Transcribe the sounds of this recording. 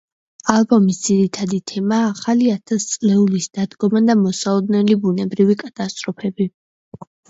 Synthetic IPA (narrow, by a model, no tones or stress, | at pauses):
alˠbɔmisd̪ziɾit̪ʰad̪it̪ʰɛmaːχaliat̪ʰast̪sʼlɛulisd̪̥ad̪ɡɔmad̪amɔsalɔd̪nɛlibunɛbɾivikʼat̪ʼast̪ʼɾɔpʰɛbi